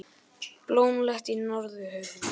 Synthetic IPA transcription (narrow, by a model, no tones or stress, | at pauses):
ploːwnlɛxt̪inɔɾðʏhœɥv